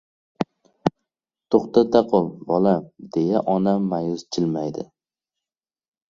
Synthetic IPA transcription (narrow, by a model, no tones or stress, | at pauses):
t̪ʰoχt̪at̪ʰaqʰɒlˠbɒlamd̪̥e̞jaʔɒnamːajʊzt͡ʃʰɪlmajd̪ɪ